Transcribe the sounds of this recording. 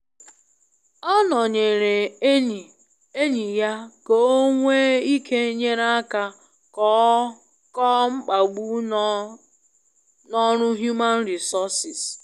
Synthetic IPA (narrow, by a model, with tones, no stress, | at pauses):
ɔ˦nɔ˨ɲe˨ɾe˨˦˨ | e˦ɲi˨ja˦ko˨o˦ŋʷe˦i˦kʰe˦ɲe˦ɾa˦a˦ka˦ | kɔ˦ŋ͡m̩˦k͡pa˨ɡ͡bu˦ | nɔ˦ɾʊ˦ɦju˦ma˦n̩˦ɾi˨sɔ˦sɪ˨s